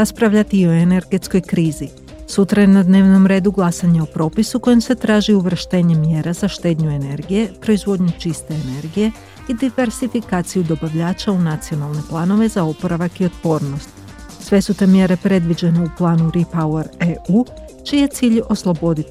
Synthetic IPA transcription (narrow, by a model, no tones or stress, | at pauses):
ɾaspɾaʋʎat̪iio̞ene̞ɾɡe̞t̪sko̞jkɾiːzi | sut̪ɾajenad̪ne̞ːʋno̞mɾe̞ːd̪uɡlˠasaɲeopɾo̞ːpisuko̞jemse̞t̪ɾaːʒiuʋr̩ʃt̪e̞ːɲe̞mje̞ːɾazaʃt̪e̞ːd̪ɲue̞ne̞ɾɡije̞pɾo̞izʋo̞d̪ɲut͡ʃist̪e̞ːne̞ɾɡije̞ | id̪iʋe̞ɾsifikaːt̪sijud̪o̞baʋʎaːt͡ʃaunat̪sio̞nalˠne̞plˠaːno̞ʋe̞zao̞po̞ɾaʋakio̞t̪̚po̞ːɾno̞st̪ | sʋe̞sut̪e̞mje̞ɾe̞pɾe̞d̪ʋid͡ʑene̞uplˠaːnuɾipaueɾeuː | t͡ʃije̞t̪siːʎo̞slˠo̞bo̞d̪it̪i